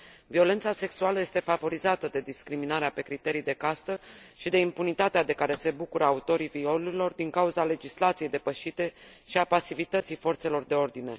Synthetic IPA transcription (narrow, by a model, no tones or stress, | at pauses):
vio̞le̞nt̪sase̞ksualəje̞st̪e̞favo̞ɾizat̪əd̪e̞d̪iskɾiminaɾeape̞kɾit̪e̞ɾijd̪e̞kast̪əʃid̪e̞impunit̪at̪ead̪e̞kaɾe̞se̞bukuɾəaut̪o̞ɾivio̞luɾilo̞rd̪iŋkauzale̞d͡ʒislat̪sije̞jd̪e̞pəʃit̪e̞ʃiapasivit̪ət̪sijfo̞rt̪se̞lo̞rd̪e̞o̞rd̪ine̞